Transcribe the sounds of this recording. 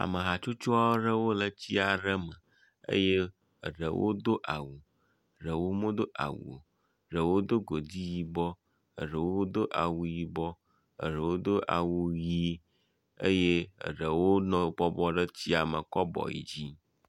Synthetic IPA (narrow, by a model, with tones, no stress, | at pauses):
a̰˨mə˨ɦa˨t͡ʃo˦t͡ʃo˦a˦ɖə˦wo˦lə˨t͡ɕi˦a˨ɖə˦mə˨ | ə̰˦je˦ | ə˨ɖə˨wʔo̰˦d̪o˦ʔa˨wṵ˨ | ɖə˨wo˦mõ˦d̪o˦ʔa̰˨wṵ˨ | ɖə˨wo˦d̪o˦ɡo˨d̪i˦ji˨bɔ˦ | ə̰˨ɖə˨wo˦d̪o˦ʔa̰˨wu˨ji˨bɔ˦ | ə̰˨ɖə˨wo˦d̪o˦ʔa̰˨wu˦ji˦ | ə˦jḛ˦˨ɖə˨wo˦nɔ̃˨bɔ˦bɔ˦ɖə˦t͡ɕi˦a˨mə˨kɔ˦bɔ̰˨jḭ˨d͡ʑi˦